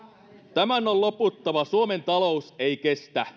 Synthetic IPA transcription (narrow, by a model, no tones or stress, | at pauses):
t̪æmænolloput̪ːɑʋɑsuome̞nt̪ɑlo̞useijkest̪æ